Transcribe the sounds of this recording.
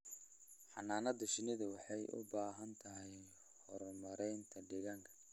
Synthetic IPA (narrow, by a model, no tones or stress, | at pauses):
ħɑ̰naːnɐd̪ɐʃɪnɪðɐwɑħɑjʔʊ̰baːɦɐnt̪ʰɐɦɛj | hɔɾmɐɾɛjnt̪ʰɐɖɪɣɐŋkʰɐ̥